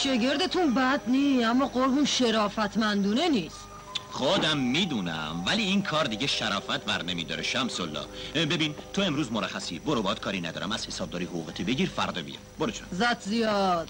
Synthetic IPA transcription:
ʃeɡeɾd̪et̪ʰunbæd̪niːæmːɒːɢoɾɦunʃeɾɒːfæt̪ʰmænd̪uːneniːs | χod̪æmːiːd̪unæ̰mvæliːiːnkʰɒːɾd̪iɟeʃæɾɒːfæt̪ʰbæɾnemiːd̪ɒ̰ːɾeʃæmsolːɒ̰be̞biːnt̪ʰoe̞mɾuːzmoɾæxæsiboɾobɒːd̪̥kʰɒːɾinæd̪ɒ̰ːɾæ̰mæz̥he̞sɒːb̚d̪ɒːɾiːhoɣuːɣet̪ʰibe̞ɟiːɾfæɾd̪ɒbḭjɑ̰boɾot͡ʃʰozæt̪ʰzijɒd̪̥

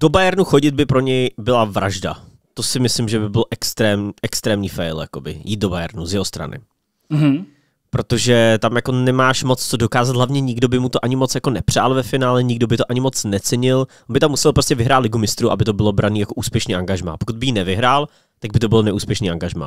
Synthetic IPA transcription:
d̥o̞bajɛɾnuxo̞ɟɪt̪̚bɪpɾo̞ɲɛjbɪlavɾʔaʒda̰ | t̪osɪmɪslɪmʒɛbɪbɪlʔɛkst̪ɾɛːmɲʔɛkst̪ɾɛːmɲiːfɛjlja̰ko̞bɪ̰jiːt̪dobajɛ̰ɾnuzjɛɦost̪ɾa̰nɪ̰ | pɾo̞t̪o̞ʒɛt̪amjako̞nɛmaːʃmot͡st͡sodokaːzat̪ɦlavɲɛɲɪɡdo̞bɪmut̪oʔaɲɪmo̞t͡sjako̞nɛpr̝̥aːlˠvɛfɪnaːlɛɲɪɡdo̞bɪt̪oʔaɲɪmo̞t͡snɛt͡sɛɲɪl | onbɪt̪amːusɛlˠpɾoscʲɛvɪɦɾaːt̪lɪɡumɪst̪ɾuʔa̰bɪt̪o̞bɪlo̞bɾʔaniːjako̞ʔuːspjɛʃniʔaŋɡaʒma̰ːpokud̪̚bɪjiːnɛvɪɦɾaːl | t̪aɡ̚bɪt̪o̞bɪlnɛʔuːspjɛʃniːʔaŋɡaʒma̰ː

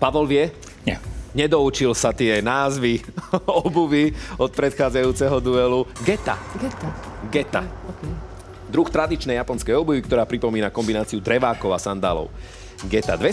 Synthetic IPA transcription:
paʋɔlʋɪɛ | ɲɛ̰ɲɛd̪ɔut͡ʃilsat̪ɪɛnaːzʋiɔbuʋiɔt̪̚pɾɛt̪xaːd͡zajuːt͡sɛɦɔd̪uɛluɡɛt̪a̰ɡ̪aɡɛt̪a | d̪ɾuxt̪ɾad̪it͡ʃnɛjapɔnskɛjɔbuʋikt̪ɔɾaːpɾipɔmiːnakɔmbinaːt͡siud̪ɾɛʋaːkɔʊasand̪a̰ːlɔ̰ʊ | ɡɛt̪a̰d̪ʋɛ

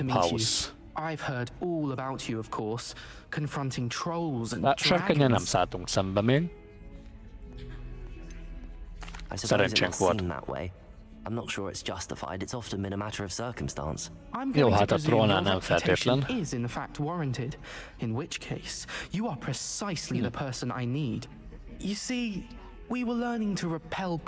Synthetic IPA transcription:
mha̰ʊs | ʔaɪv̥hɜ˞ɾɔlˠəbaʊt͡ʃɨəv̥kʰɔɹs | kʰə̃ɱfɹʌ̃ntʰɪ̃ŋtʰɹ̥oʊlˠzə̃naʃəɾkənanamsad̪ʊ̃ŋsəmbəmɪn | aɪsə̥sɛɾɛ̃nt͡ʃɛ̃ŋkʰwɔ̥̃n̩ðə̰ʔwḛɪ | ãɪ̃mnətʃʊːɹɪ̰tsd̥ʒ̥ʌstɪfa̰ɪdɨtsɒftə̃nbɨ̃nəmaɾə˞əv̥sɜˑ˞kə̃mstɑ̰̃ns | ãɪ̃mjɔlhat̪əd̪ɾɔ̃ːnanãɱfɛɪflənɪzɨ̃nðəfak̚t̚wɔɹɨ̃ntʰɪd | ɨ̃nwɪt͡ʃkʰeɪsjəə˞pʰɹ̥ɨsaɪsliðəpʰɜ˞sə̃na̰ɪnid̥ | jɨsi | wiwəlɜ̃˞nɪ̃ŋtʰəɹɪpʰɛlˠ

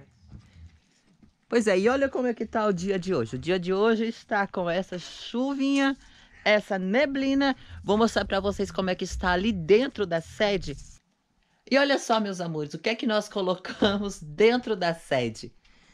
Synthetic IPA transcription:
pojzɛɪɔʎɐkõmʊɛkɪt̪aʊd͡ʒiɐd͡ʒɪoʒɪʊd͡ʒiɐd͡ʒɪoʒɪːst̪akõɛsɐʃuvĩɲɐ | ɛsɐneblĩnɐvowmost̪ɾaɾpɾɐvoseskõmʊɛkɪɪst̪aalid̪ẽnt̪ɾʊd̪ɐsɛd͡ʒɪ | ɪɔʎɐsɔmewzamoɾɪzʊkɪɛkɪnɔskolokʰɐ̃mʊzd̪ẽnt̪ɾʊd̪ɐsɛd͡ʒɪ

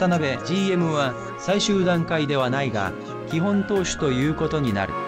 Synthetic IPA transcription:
t̪anabe̞d͡ʑiːe̞mɯ̟βa | saiɕɨːd̪ãŋkaid̪e̞β̞anaiɡa̰ | kʲiɦõ̞nt̪o̞ːɕi̥t̪o̞jɯ̟ːko̞t̪o̞ɲ̟ina̰ɾɯ̟̰

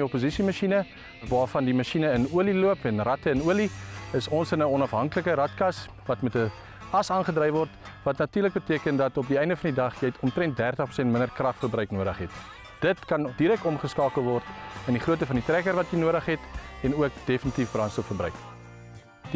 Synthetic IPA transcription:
iɔpozisimɑʃinə | vɑːrfɐndimɐʃinəənuəliluəpɛnrɐtəənuəliəsɔnsənəɔnɐfɦɐŋkələkəɾɐtkɐs | vɐtmɛtə | ɐsɑːnχədrɛjvɔrt | vɐtnɐtyːrlək̚bətiəkəndɐtɔp̚diɛjndəfɐndidɐχjɛjtʰɔmtɾɛnt̚dærtəχprɾusɛntmənərkrɐχfərbrœɥknuəɾəχɦɛt | d̥ətkɐndiɾɛk̚tɔmχəskɑːkəlˠvɔrtəndiχruət̬əfɐnditrækərvɐtjənuəɾəχɦɛtɛnuək̚d̥efənitifbrɐnstopfərbrœɥk | di

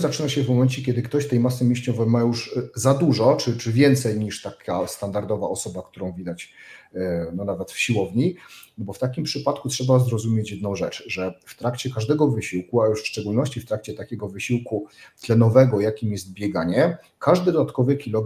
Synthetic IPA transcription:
zat͡ʂɘnaɕɛvmɔmɛnt͡ɕɛkʲɛd̪ɘkt̪ɔɕt̪ɛjmas̬ɘmʲeɕɲɔvɛmajuʐzad̪uʐɔt͡ʂɘt͡ʂɘvʲjɛnt̪sɛjɲiʂt̪akʲʰast̪and̪aɾd̪ɔva̰ɔsɔbakt̪uɾɔ̃w̃vʲid̪at͡ɕ | nɔnavɛt̪fɕiwɔvɲibɔft̪akʲimpʂɘpat̪kutʂɛbazɾɔzumʲjet͡ɕjɛd̪nɔ̃w̃ʐɛt͡ʂʐɛft̪ɾakt͡ɕɛkaʐd̪ɛɡɔvɘɕiwkuajuʂfʂt͡ʂɛɡulnɔɕt͡ɕift̪ɾakt͡ɕɛt̪akʲɛɡɔvɘɕiwkut̪lɛnɔvɛɡɔjakʲimjɛst̪̚bʲjɛɡaɲɛ | kaʐd̪ɘd̪ɔd̪at̪kɔvɘkʲilɔɡ

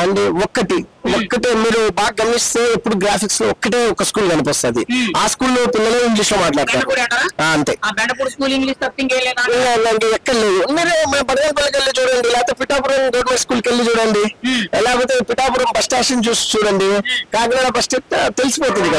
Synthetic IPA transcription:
ɐɳɖiɔkːɐʈiʋɔkːɐʈeːmiːɾubaːk̚ɡɐmːist̪eːepːuɽuɡɾaːpʰiksloːɔkːɐʈ̬eːɔkːɐskuːlɡɐnipɔst̪aːd̪iaːskuːlːoːpinːɐleːiŋɡliːsloːmaːʈlaːɾɐt̪aːʈɐaaːɐnt̪eːbɛɳɖɐpuɽskuːliŋɡliːst̪ɐt̪ːiŋkeːjɐleːd̪aːaɐɳɖeɛkːɐɽɐleːd̪umiːɾumɐbɐɽɐɡɐɳpɐlːɐk̬elːit͡ʃuːɽɐɳɖilɛːt̪eːpiʈaːpuɾɐmd̪oɾmɐskuːlkelːid͡ʒuːɽɐɳɖiɐlaːɡp̬oːt̪̬e̞ːpiʈaːpuɾɐmbɐsʈeːʂɐnt͡ʃuːst͡ʃuːɽɐɳɖikaːkɐnaːnɐbɐsʈet̪elisi̥poːt̪und̪ikɐ

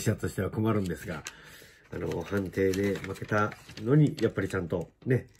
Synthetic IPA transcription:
ɕiɕat̪o̞ɕi̥t̪e̞βako̞maɾɯ̟̃nd̪e̞sɨɡa̰ | a̰no̞̰hãnt̪e̞ːd̪e̞make̞t̪ano̞ɲ̟ijapːaɾʲit͡ɕãnt̪o̞ne̞

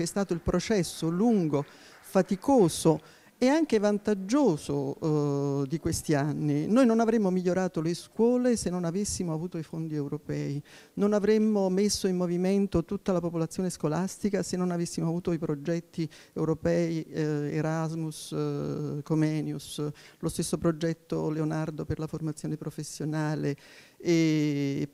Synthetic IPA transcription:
ɛst̪aːt̪oilpɾot͡ʃɛsːoluŋɡo | fat̪ikoːso | eaŋk̟evant̪ad͡ʒːoːzo | d̪ikwest̪ianːinojnonavɾemːomiʎːoɾaːt̪oleskwɔːlesenːonavesːimoavuːt̪oifond̪iɛwɾopɛːinonavɾemːomesːoimːoviment̪ot̪ut̪ːalapopolat̪sːjoːneskolast̪ikasenːonavesːimoavuːt̪oipɾod͡ʒɛt̪ːiewɾopɛːiḛɾazmus | komɛːnjuslost̪esːopɾod͡ʒɛt̪ːo̰leonard̪operlaformat̪sjoːnepɾofesːjonaːle | e

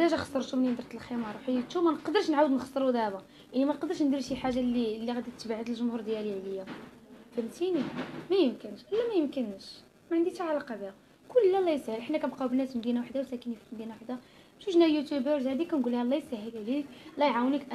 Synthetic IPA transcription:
d̪æʒæxɑ̥sˤːəɾˤt̪umənind̪əɾˤt̪əlximɑɾˤuħjət̪ːumænqd̪əɾˤʃnʕawəd̪nəxɑ̥sˤːəɾud̪æbæ | jaʕnimænqd̪əɾʃnd̪iɾʃiħaʒːalːilːiɣæd̪it̪ːbʕəd̪əlʒʊmhuɾd̪jæliʕləjːa | fəmt̪inimæjəmkənʃʔəlːæmæjəmkənʃ | mæʕənd̪it̪ʕalɑqɑbihæ | kʊllːælːɑjsæhəlʔħnːækænbqɑwbənːæsmd̪inawaħd̪awsækənifi̥lmd̪inawaħd̪a | ʃuʃnæjut̪jubəɾzhæd̪ikːænɡulhælːɑjsæhːəlʕlikʔlːɑjʕawnikʔ

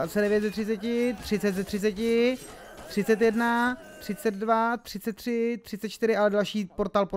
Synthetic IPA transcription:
at͡sɛdɛvjɛt̪zɛt̪rɪt͡sɛcɪt̪r̝̥ɪt͡sɛt̪zɛt̪rɪt͡sɛcɪ | t̪r̥ɪt͡sɛt̪jɛdnat̪r̥ɪt͡sɛd̪̚dvat̪r̥ɪt͡sɛt̪ːr̥ɪt̪r̥ɪtt͡sɛt̪̚t͡ʃt̪ɪɾɪʔalɛdalʃiːpoɾt̪aːlpo

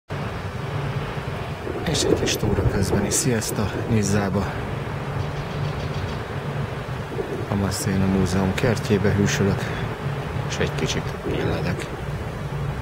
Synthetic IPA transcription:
eːʃɛɟkiʃt̪oːɾɒkøzd̪bɛnisijɛst̪ɒnizːaːbɒ | ɒmɛseːnɒmuːzɛumkɛrceːbɛɦyːʃøløk | eːʃɛɟkit͡ʃit̪ḭlːɛd̪ɛk

